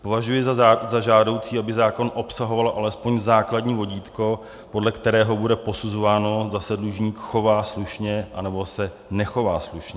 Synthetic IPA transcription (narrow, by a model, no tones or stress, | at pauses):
po̞vaʒujɪzazaʒaːdo̞wt͡siːabɪzaːko̞nʔo̞psaɦo̞valʔalɛspo̞ɲzaːkladɲiːvo̞ɟiːt̪ko̞ | po̞dlɛkt̪ɛɾɛːɦo̞budɛpo̞suzovaːno̞zasɛdluʒɲiːkxo̞vaːsluʃɲɛʔanɛbo̞sɛ | nɛxo̞vaːsluʃɲɛ